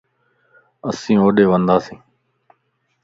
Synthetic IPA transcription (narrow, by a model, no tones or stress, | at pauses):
əsĩːoːɗeːʋənd̪aːsĩː